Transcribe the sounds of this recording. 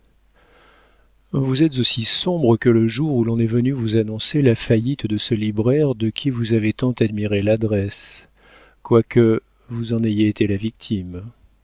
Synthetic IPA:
vuzɛt̪zosisɔ̃bʁəkələʒuʁulɔ̃nɛvənyvuzanɔ̃selafajit̪d̪əsəlibʁɛʁd̪əkʲʰivuzavet̪ɑ̃t̪ad̪miʁelad̪ʁɛs | kwakʰə | vuzɑ̃najeːt̪elavik̚t̪ʰim

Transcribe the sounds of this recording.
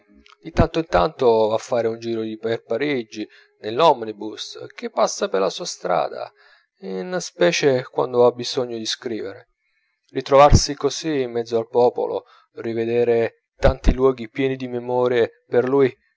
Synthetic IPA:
d̪it̪ant̪oint̪ant̪ovafːaːɾeund͡ʒiːɾod̪iperpaɾid͡ʒi | nelːɔmnibusk̟epːasːaperlasuːast̪ɾa̰ːd̪a̰ | innspɛːt͡ʃekwa̰nd̪oabizɔɲːod̪iskɾiːveɾe | rit̪ɾovarsikosiːmːɛd̪zːoalpɔːpo̰lo̰ | rived̪ɛːɾe | t̪ant̪ilwɔːɡipjɛːnid̪imemɔːɾje | perluːji

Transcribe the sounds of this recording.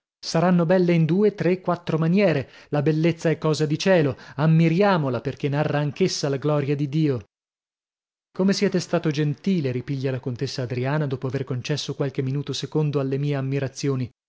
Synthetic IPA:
saɾanːobɛlːeind̪uːet̪ɾekːwat̪ːɾomanjɛːɾelabelːet̪sːaɛkːɔːzad̪it͡ʃɛːloamːiɾjaːmolaperk̟enːarːaːŋkesːalaɡlɔɾjad̪id̪iːo | komesjɛːt̪est̪aːt̪od͡ʒent̪iːleɾipiʎːalakont̪esːaːd̪ɾiaːnad̪oːpoaverkont͡ʃɛsːokwalk̟emːinuːt̪osekond̪oalːemiːeamːiɾat̪sːjoːni

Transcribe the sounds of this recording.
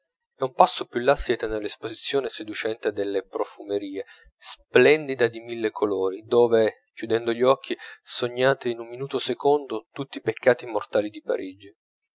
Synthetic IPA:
ɛumpasːopjulːasːjɛːt̪enelːespozit̪sːjoːnesed̪ut͡ʃɛnt̪ed̪elːepɾofumeɾiːe | splɛnd̪id̪ad̪imilːekʰoloːɾid̪oːve | kjud̪ɛnd̪oʎɔkʰːisoɲːaːt̪iːnumminuːt̪osekond̪ot̪ut̪ːipekʰːaːt̪imort̪aːlid̪ipa̰ɾʔid͡ʒi

